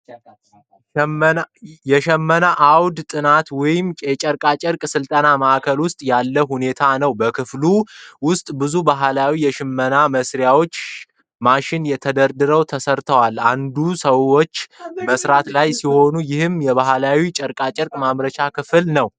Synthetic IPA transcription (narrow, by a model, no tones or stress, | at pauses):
jɛʃɛmːənaʔawd̪t̪ʼɨnat̪wɔjɪmt͡ʃʼɛt͡ʃʼəɾkʼat͡ʃʼɪɾkʼsɨlt̪ʼənaməʔakʰəlwʊst̪ʼjalːəɦune̞t̪ʰanəwbəkʰɨfluwʊst̪ʼbɨzubaɦlawijɛʃɪmːənaməsɾjawo̞t͡ʃː | maʃɪnjɛt̪ʰəd̪əɾd̪ɨɾəwt̪ʰəsəɾt̪ʰəwaland̪usəwo̞t͡ʃːməsɾat̪lajsiho̞nujɪhɨmjɛβaɦlawit͡ʃʼəɾkʼat͡ʃʼɪɾkʼmaβɾət͡ʃakʰɨfɨlnəw